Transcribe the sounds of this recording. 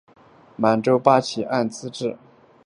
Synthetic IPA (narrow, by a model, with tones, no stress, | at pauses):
ma˧˥nʈ͡ʂo˥ʊpa˥t͡ɕʰi˨˥ʔa˥˩nt͡sɹ̩˥ʈ͡ʂɻ̩˥˩